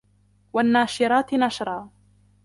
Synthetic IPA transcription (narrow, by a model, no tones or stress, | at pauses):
wanːaːʃɪɾaːt̪naʃɾˤɑː